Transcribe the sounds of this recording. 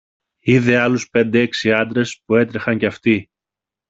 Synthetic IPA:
iðe̞ɐluspe̞nd̪eeksiɐnd̪ɾe̞spue̞t̪ɾexɐɲceɐft̪i

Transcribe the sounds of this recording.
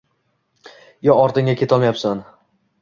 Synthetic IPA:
jɒɒɾt̪ɪŋʲakʲʰe̞t̪ʰɒlˠmajapsan

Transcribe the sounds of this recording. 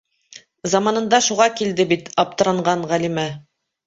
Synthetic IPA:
zɑmɑnɤ̆nd̪ɑʃuʁɑkild̪ɘbit̪ɑp̚t̪ɤ̆ɾɑɴɢɑɴʁælimæ

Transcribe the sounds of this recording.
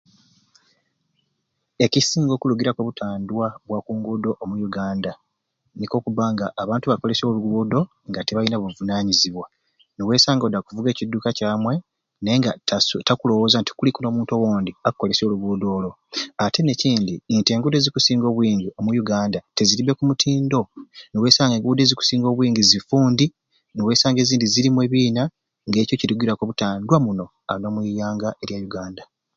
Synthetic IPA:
e̞cisiːŋɡo̞ːkuluɡiɾakweβutʰaːndwaβwakuːŋɡudo̞ʔːmujuɡaːnda | niko̞ːkuβaŋɡaʔːβaːntuβako̞le̞soːluɡuːdo̞ | ŋɡateβainaβuvunaːɲiziβwa | newe̞ːsaːŋɡodːakuvuɡe̞ːcidːuːkacaːmwe̞ | neŋɡatakulo̞wo̞ːzanti̥kulikuno̞ːmuːntowoːndiakukːo̞le̞so̞ːluβuːdo̞ːlo̞ | ate̞ne̞ciːndiːnte̞ːŋɡude̞zikusiːŋɡo̞ːβwiːɲɡio̞mujuɡaːndate̞ziɾibe̞kumutʰiːndo̞newe̞ːsaːŋɡeŋɡude̞ziku̥siːŋɡo̞ːβwiːŋɡizifuːndi | newe̞ːsaːŋɡe̞ziːndiziɾimwe̞ːβiːna | ŋɡe̞ːco̞ciɾuɡiɾakoβutaːndwamuno̞ | ano̞ːmwijaːŋɡaʔe̞ɾjajuɡaːnda

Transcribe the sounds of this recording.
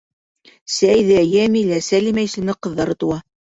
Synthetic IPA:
sæjðæjæmilæsælimæjsɘ̆nɘqɤ̆ðːɑɾɤt̪uwɑ

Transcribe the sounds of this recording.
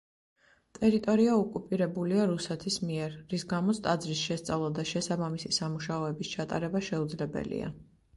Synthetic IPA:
t̪ʼɛɾit̪ʼɔɾiaɔkʼupʼiɾɛbuliaɾusɛt̪ʰismiɛɾːisɡamɔt̪sʰt̪ʼad̪zɾisʃɛst̪sʼavlˠad̪aʃɛsabamisisamuʃaɔɛbist͡ʃʰat̪ʼa̰ɾɛbaʃɛud̪zlɛbɛ̰lḭa̰

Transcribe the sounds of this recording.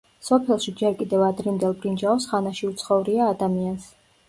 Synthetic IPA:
sɔpʰɛlˠʃid͡ʒɛɾkʼid̪ɛvad̪ɾimd̪ɛlˠbɾind͡ʒaɔsʁanaʃiut̪sʰχɔvɾiaːd̪amians

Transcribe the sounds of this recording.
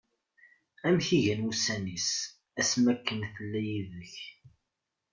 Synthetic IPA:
æmçiʝænusænis | æsmækːənθəlːæjiðəç

